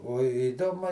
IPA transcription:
oː ɪˈdoːmʊ

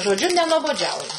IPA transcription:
ʒoːˈd͡ʒʲʊ nʲɛnuɔboːˈd͡ʒʲɛʊjʊ

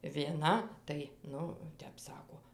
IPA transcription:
ʋʲiɛˈnɐ tɐɪ ˈnʊ ˈtʲɛp ˈsɑːkoː

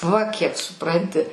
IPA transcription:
ʋɐ kʲiɛk sʊˈprɐnʲtʲɪ

